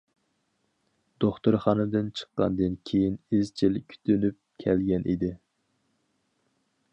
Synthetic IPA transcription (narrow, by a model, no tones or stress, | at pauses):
d̪̥oχt̪uɾχɑnɨd̪ɨnt͡ʃʰə̥qːɑnd̪ɨnkʲʰejinɪzt͡ʃʰilkʲʰy̥t̪ʰynyp̚kʲʰɛlɡʲɛnʔḭd̪ɪ